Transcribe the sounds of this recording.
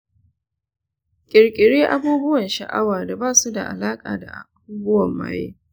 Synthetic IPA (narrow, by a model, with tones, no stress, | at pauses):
kʲʼɪ˨ɾkʲʼɪ˨ɽeː˦ʔa˦buː˦bʊ˦wɐ˨nʃɐ̰˨ʔa̰˦waː˨da˨baː˦˨su˦da̰˨ʔa̰˨laː˦kʼaː˨da̰˨ʔa̰˨a˨buː˦bʊ˦wɐ˨mːa̰ː˦jḛː˦